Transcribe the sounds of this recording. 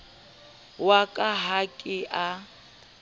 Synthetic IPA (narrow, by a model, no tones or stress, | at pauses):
wakʼaɦakʼɪʔa